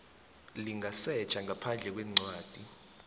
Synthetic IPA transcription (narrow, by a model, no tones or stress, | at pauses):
liŋʱasɛ̥t͡ʃʰʼaŋʱapʰand͡ɮʱɛk̬wɛːŋ͡ǀwaːd̥ʼʱi